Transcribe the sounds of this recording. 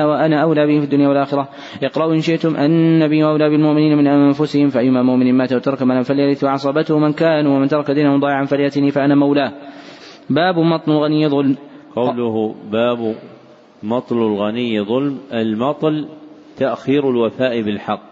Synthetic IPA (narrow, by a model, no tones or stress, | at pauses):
waʔanaːʔawlaːbɪhɪmfid̪ːʊnjawalʔaːxɪɾˤɑ | ʔɪqɾˤɑʔuʔɪnʃɪʔt̪ʊmʔanːabiːwʔawlaːbɪlmʊʔmɪniːnamɪnʔanfʊsɪhɪmfaʔajːʊmaːmʊʔmɪniːnmaːt̪awat̪ɑɾˤɑkmalaːnfaljaɾɪθwʕɑsˤɑbat̪ʊhʊmɪnkaːnuwamɪnt̪ɑɾˤɑkad̪iːnahʊmd̪ˤɑːʕanfaɾjat̪ɪniːfaʔanaːmawlaː | baːbmɑt̪ˤlalɣanɪjːðˤʊlm | qɑwlʊhbaːb | mɑt̪ˤlalɣanɪjːðˤʊlmʔalmɑt̪ˤl | t̪aʔxiːɾalwafaːʔɪbɪlħɑqː